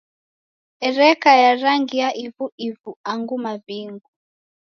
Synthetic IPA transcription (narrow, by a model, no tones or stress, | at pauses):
ɛɾɛkajaɾaŋɡiaʔivuʔivuaŋɡumaviŋɡu